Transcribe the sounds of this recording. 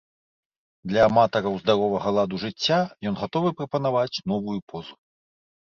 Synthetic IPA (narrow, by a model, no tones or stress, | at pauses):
d̪lʲɐːmat̪ɐɾɐwzd̪aɾɔvɐɣɐlˠad̪uʐɨt͡sʲːajɔnɣat̪ɔvɨpɾɐpɐnavat͡sʲnɔvujupʰɔzu